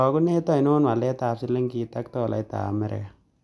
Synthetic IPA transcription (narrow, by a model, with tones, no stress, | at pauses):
ɔ˨ku˦ne˦t̪a˦i˨noː˦nwa˨le˦t̪aː˨psi˦lːe˦ŋki˦t̪a˦kt̪oː˦˨lʔa̰˨i˦t̪a̰˨a˨me˦ɾɪ̰˨ka˨